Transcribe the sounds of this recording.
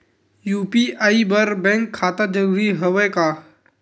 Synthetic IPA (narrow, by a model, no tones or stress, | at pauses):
juːpiʔaːibəɾbɛ̃ŋkʰːaːt̪ad͡ʒəɾuːɾiɦəʋekaː